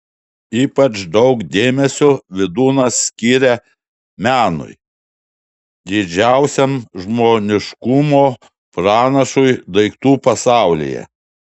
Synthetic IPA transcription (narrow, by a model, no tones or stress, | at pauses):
iːpɐt͡ʃd̪ɒʊkd̪ʲeːmʲɛsʲʊʋʲɪd̪uːnɐsːʲkʲiːɾʲɛ | mʲæːnʊ̰j | d̪ʲɪd͡ʒʲæˑʊsʲɛmʒmoːnʲɪʃkʊmoː | pɾɑːnɐʃʊjd̪ɐɪkt̪uːpɐsɑˑʊlʲḭjɛ̰